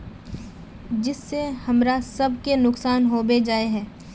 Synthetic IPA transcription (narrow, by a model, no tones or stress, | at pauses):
d͡ʒɪsːehɐmɾasɐb̚kenʊksaːnɦoːbed͡ʒaːeɦɛ̃ː